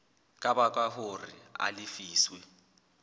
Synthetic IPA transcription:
kʼabakʼwaɦʊrɪ̰a̰lɪfiːswɛ

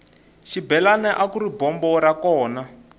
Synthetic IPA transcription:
ʃibɛlanɛʔakuɾibɔmbɔɾakɔːna

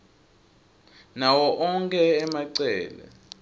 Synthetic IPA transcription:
nawɔʔɔŋkʰʼɛːmaǀɛːlɛ̰

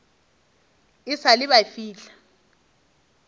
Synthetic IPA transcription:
ɪsalɪɓafiːɬḁ

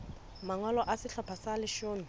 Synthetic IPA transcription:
maŋwalɔʔasɪɬɔpʰasalɪʃoːni

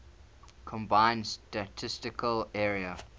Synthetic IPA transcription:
kʰɔ̃mbãɪ̃nstətʰɪstɪkʰəlɛːɹiə

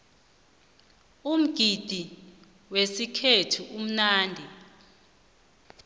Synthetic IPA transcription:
um̩ɡ̥ʱid̥ʱi | wesikʰetʰuʔum̩naːndʱi

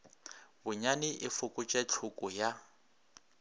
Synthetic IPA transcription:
bʊɲanɪʔɪfʊkʼʊt͡ʃʼɛt͡ɬʰʊkʼʊja

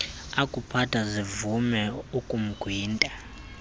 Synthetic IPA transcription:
akʼupʰatʰʼazivumɛukʼum̩ɡ̥ʱwiːntʼa

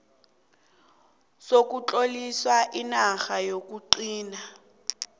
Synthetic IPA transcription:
sok̬ʼut͡ɬʼoliswaʔinaxajok̬ʼuǃiːna

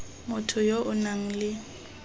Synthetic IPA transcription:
mʊtʰʊjoʔʊnaŋ̩lɪ

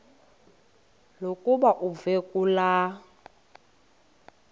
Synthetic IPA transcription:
lokʼubaʔuvekʼula

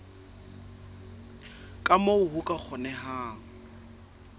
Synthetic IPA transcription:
kʼamoʊhukʼak͡xʰɔnɛɦaːŋ̩

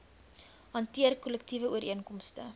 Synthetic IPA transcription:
ɦɐntiərkɔləktivəuəɾiənkɔmstə

